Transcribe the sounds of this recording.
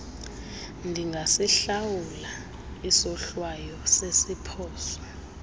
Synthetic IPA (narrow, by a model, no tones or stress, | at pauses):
ndʱiŋɡʱasiɬawula | isɔɬwajɔsesipʰɔːsɔ̥